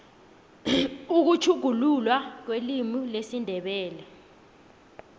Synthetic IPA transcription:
uk̬ut͡ʃʰuɡ̥ʱululwak̬welimilesindʱɛɓɛːlɛ

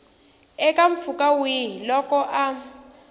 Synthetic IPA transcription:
ɛkʼaɱ̩fukʼawilɔkɔʔa

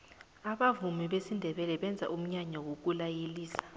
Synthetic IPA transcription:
aɓavumiɓesindʱɛɓɛlɛɓɛnd͡zʱa̰ʔum̩ɲaɲawok̬ulajeliːsḁ

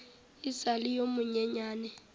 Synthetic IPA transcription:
isalijomʊɲɛɲaːnɛ

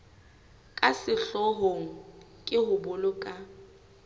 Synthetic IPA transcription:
kʼasɪɬɔɦoŋ̩ | kʼɪhʊbʊlʊkʼa

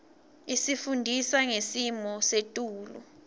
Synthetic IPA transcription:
isifundʱisaŋesimɔsetʼuːlṵ

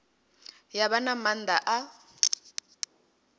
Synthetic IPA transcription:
jaβanamand̪aʔa

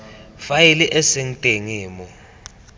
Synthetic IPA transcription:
fajiliʔɛseŋ̩tʼeŋiːmɔ

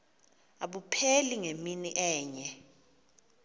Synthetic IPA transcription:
aɓupʰeliŋeminiʔɛːɲɛ

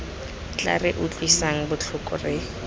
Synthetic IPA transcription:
t͡ɬʼa̰rɪʔʊt͡ɬʼwisaŋ̩bʊt͡ɬʰʊkʼʊ̰rɪ

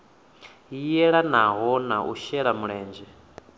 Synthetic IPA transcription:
ijɛɺanaɦɔnaʔṵʃɛɺamuɺɛːnd͡ʒɛ

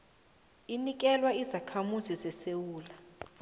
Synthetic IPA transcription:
inik̬ɛlwaizakʰamuzizɛsewuːla

